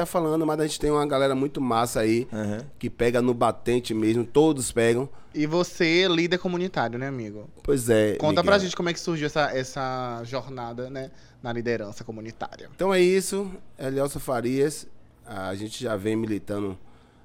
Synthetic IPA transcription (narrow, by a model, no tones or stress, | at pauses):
afalɐ̃d̪ʊmɐzaʒẽt͡ʃɪ̥t̪ẽj̃ũmɐɡalɛɾɐmũj̃t̪ʊmasɐĩkɪpɛɡɐnʊbat̪ẽt͡ʃɪmezmʊt̪od̪ʊspɛɡɐ̃w̃ | ɪvoselid̪eɾkõmũnit̪aɾiʊnɛamiɡʊpojzɛkõt̪ɐpɾaʒẽt͡ʃɪkomʊɛkɪ̥suɾʒiwɛsɐʔɛsɐʒɔɾnad̪ɐnɛ | nɐlid̪eɾɐ̃sɐkomũnit̪a̰ɾiɐ̰t̪ɐ̃w̃ɛisʊɛliɛwsofaɾiɐs | aːʒẽt͡ʃɪʒavẽj̃milit̪ɐ̃nʊ